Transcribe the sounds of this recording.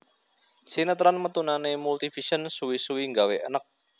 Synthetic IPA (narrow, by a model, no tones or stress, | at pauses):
sinət̪ɾanmət̪unanemult̪ifiʃənsuwisuwiŋɡaweʔənək̚